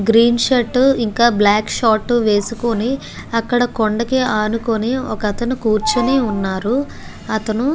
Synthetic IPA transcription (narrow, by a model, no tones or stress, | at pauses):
ɡɾiːnʃɐʈːuiŋkaːblaːkʂaːʈːuʋeːsukoni | ɐkːɐɽɐkoɳɖɐkeaːnukoniɔ̰kɐt̪ɐnukuːɾt͡ʃɐniːunːaːɾu | ɐt̪ɐnu